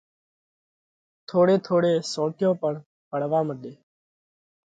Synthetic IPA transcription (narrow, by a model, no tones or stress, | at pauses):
t̪ʰoːɽeːt̪ʰoːɽeːsõːʈɪjõːpəɳ | pəɽ̤ʋaːməɗ̪eː